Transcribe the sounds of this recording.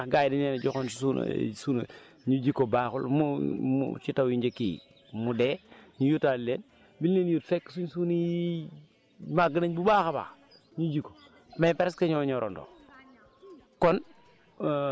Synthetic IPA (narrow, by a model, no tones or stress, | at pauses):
axɡajdinend͡ʒoxonssun̰sun̰ | ɲud͡ʒikobaːxṵlmumṵt͡ʃitawjind͡ʒekḭː | mudeɲujutallen | bilːenjutfekːsuɲsuni | maɡənaɲbubaːxaba̰ː | ɲud͡ʒiko̥ | mepɛɾeskaɲoːɲɔɾʔo̰ndo̰ | kɔn